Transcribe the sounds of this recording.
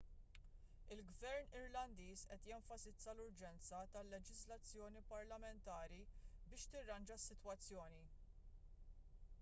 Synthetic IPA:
ɪlɡvɛɾnɪɾlɐnd̪iːsʔɛt̪jɛɱfɐsɪt͡sːɐlʊɾd͡ʒɛnt͡sɐt̪ɐlːɛd͡ʒɪzlɐt͡sːjɔːnipɐɾlɐmɛnt̪ɐːɾibɪːʃt̪ɪrːɐnd͡ʒɐsːɪt̪wɐt͡sːjɔːni

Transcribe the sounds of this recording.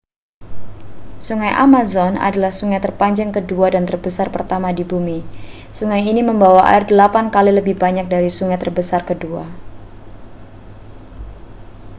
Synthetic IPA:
suŋajʔa̰mazɔna̰dalahsuŋajt̪ərpaɲd͡ʒaŋkəduadant̪ərbəsarpərt̪amadibumi | suŋajiniməmbawaʔa̰ɪrdəlapankaliləbɪhbaɲak̚daɾisuŋajt̪ərbəsarkədua̰

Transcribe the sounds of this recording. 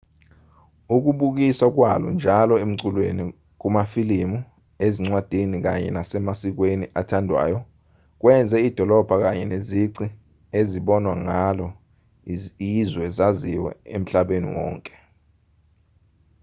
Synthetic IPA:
uk̬uɓuk̬iswak̬walɔ̰nd͡ʒʱalɔem̩ǀulweni | k̬umafilimu | eziŋ͡ǀwad̥ʱenik̬a̰ɲɛ̰nasɛmasik̬weniʔatʰandʱwa̰ːjɔ | k̬wɛnd͡zʱɛid̥ʱɔlɔb̥ʱak̬aɲɛneziǀi | eziɓɔnwaŋalɔ | izwɛzaziwɛ̰em̩ɬaɓenḭwɔ̰ːŋkʼɛ̥

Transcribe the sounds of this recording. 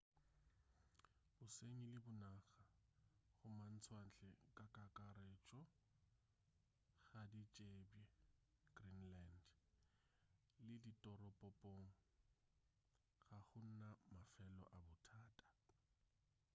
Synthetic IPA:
bʊseŋilɪbʊnaːɣaχʊman̩t͡sʰwan̩t͡ɬʼɛkʼakʼakʼaɾeːt͡ʃʼɔ | ɣadit͡ʃʼebɛɡrinland | lɪditʼɔɾɔpʼɔpʼoŋ̩ | ɣaχʊn̩namafɛlɔ̰ʔabʊtʰaːtʼḁ

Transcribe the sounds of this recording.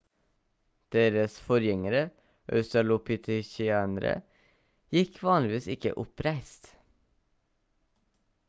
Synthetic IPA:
d̪̥eːɾəsfɔɾjɛŋəɾə | ʔœ̰st̪ɑlʊpʰɪt̪ʰɪçɪænəɾə̰ | jɪkʰʋɑːnlɪʋiːsɪkə̰ʔʊpɾæɪst̪

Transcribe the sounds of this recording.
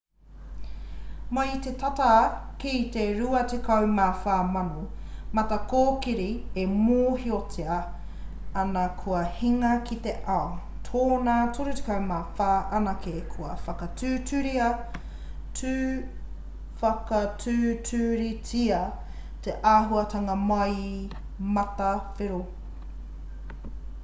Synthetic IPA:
maitetatakiteɾuɐtekʰɐwmafaːmɐno | mɐtɐkoːkiɾiemoːhiotʰeɐ | ɐnɐkʰuɐhiŋɐkit̪eʔao | tʰoːnatuɾutekawmaːfaːʔɐnakekʰuɐ̰fɐkɐtʰʉːtʉɾiɐ | tʰʉː | fɐkɐtʰʉːtʰʉːɾit͡siɐ | teʔaːɦuɐtɐŋɐmɐj | mɐtɐfeɾo

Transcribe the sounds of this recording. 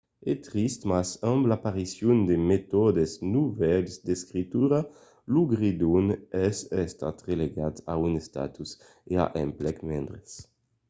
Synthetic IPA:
et̪ɾist̪masamblapaɾisjund̪emet̪ɔd̪eznuvɛlsd̪eskɾit̪uɾa | luɡɾid̪unɛsɛst̪a̰t̪ʁeleɡat̪a̰unest̪a̰t̪us | ea̰ʔḛmplɛkmend̪ɾes

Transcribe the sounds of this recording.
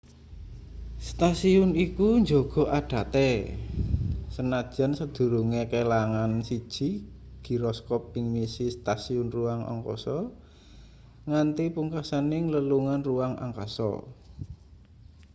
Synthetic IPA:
st̪asiʊnikuɲd͡ʒoɡ̥ɔ̤ʔaɖ̥a̤t̪ɛ | sənad̥ʒ̥a̤nsəd̪̥ṳɾuŋekelaŋansid̥ʒ̥i̤ɡ̥i̤ɾɔskɔp̚ːɪŋmisist̪asiʊnruwaŋɔ̰ŋkɔ̰sɔ | ŋant̪ipuŋkasanɪŋləluŋanruaŋa̰ŋka̰sɔ̰

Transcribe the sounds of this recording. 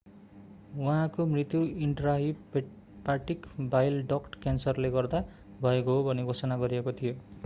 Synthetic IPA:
wʌɦãkomrit̪juiɳʈraɦi | paʈikbajlɖʌkʈkansʌrleɡʌrd̪a | bʱʌekoɦobʱʌneɡʱosʌnaɡʌɾiekot̪ʰijo

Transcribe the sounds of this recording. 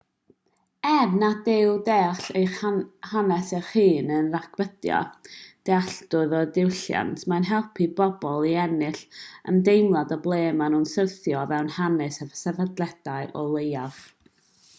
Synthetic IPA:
ɛvnadɪwdɛɬejhanɛsɛrχiːnənrakʰbədjɔ̰d̥ɛaɬdʊðɔdɪwɬja̰ntʰmanɦɛlˠpʰibɔbɔlˠiɛnɪɬə̰ndejmlˠadɔblˠeːmanuːnsərθjɔvɛwnhanɨsɛvsɛvadlɛd̥aɨʔɔlˠejav̥

